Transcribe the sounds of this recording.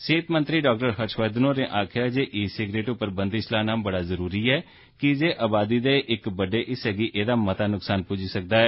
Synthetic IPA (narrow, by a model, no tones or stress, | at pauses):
seːt̪mə̃nt̪ɾiːɖaːkʈəɾɦəɾʃaːd̪nõːneːʔaːkʰɪjaːd͡ʒeːʔiːsɪɡɾeːʈʊpːəɾbə̃nd̪ɪslaːnãːmbəɽaːzəɾuːɾiːɛː | kɪd͡ʒeːʔaːbaːd̪iːd̪eːʔɪkbəɖeːʔɪsɦɛːɡiːʔeːd̪aːmət̪aːnʊksaːnpud͡ʒiːsək̚d̪aːɛː